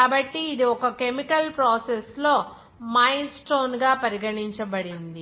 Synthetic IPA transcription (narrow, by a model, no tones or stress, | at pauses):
aːbɐʈːiːd̪iɔkɐkemikɐlpɾoːseslo̞ː | majnsʈoːnɡaːpɐɾiɡɐɽiɲt͡ʃɐbɐɽind̪i